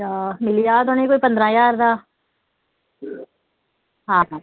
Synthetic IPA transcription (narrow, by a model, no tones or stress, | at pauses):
aːmɪlijaːt̪õːnəikoːipɐ̃nd̪ɾãːjaːɾd̪aː | ɦãːã